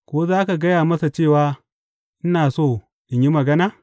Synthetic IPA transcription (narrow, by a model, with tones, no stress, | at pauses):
kʷoː˦zaː˦ka˨ɡɐ˦jaː˨mɐ˦sa˨t͡ʃeː˦˨waː˦ | ʔɪ˦naː˨soː˦˨ | ʔɪ˨ɲji˦mɐ˨ɡɐ˦naː˦